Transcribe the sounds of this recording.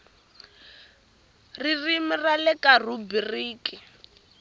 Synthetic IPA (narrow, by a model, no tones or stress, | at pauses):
ririmiralɛkarubiriːki